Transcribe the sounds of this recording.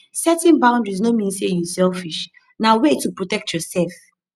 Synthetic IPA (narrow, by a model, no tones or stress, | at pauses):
sɛtɛ̃nbãʊ̃ndɹiznomĩnsejusɛlfiʃ | nawetupɹotɛk̚tʰjɔsɛlf